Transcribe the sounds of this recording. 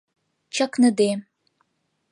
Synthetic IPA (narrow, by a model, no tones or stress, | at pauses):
t͡ʃʰɐknɨd̪e